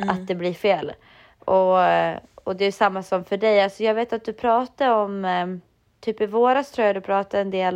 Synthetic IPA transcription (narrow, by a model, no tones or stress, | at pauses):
a̰t̪̚d̪ɛblɪɾfeːl | ʔɔ | ɔd̪ɛjʂamːasɔmfœɖɛjalsɔjɑːɡveːt̪at̪̚d̪ɵpʰɾɑːt̪aɔm | t̪ʰyːpɪvoːɾast̪ʰɾuːjad̪ɵpʰɾɑːt̪aɛnd̪eːl